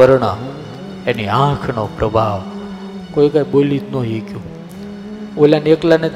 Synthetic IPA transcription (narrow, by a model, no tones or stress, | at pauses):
əɾɳa | eniãkʰnopɾʔəbʱaʋ | kojkaɓolit̪noɦikjũ | olaneklane